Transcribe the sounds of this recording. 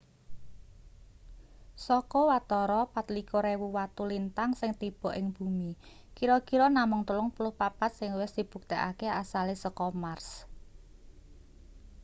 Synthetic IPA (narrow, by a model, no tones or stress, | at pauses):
sɔkɔwat̪ɔɾɔpat̪likɔɾewuwat̪ulint̪aŋsɪŋt̪ib̥ɔ̤ʔɪŋb̥umi | kiɾɔkiɾɔnamʊŋt̪ulʊŋpulʊhpapat̪̚sɪŋwɪsd̪̥i̤b̥ṳk̚t̪eʔa̰keasalesəkɔmars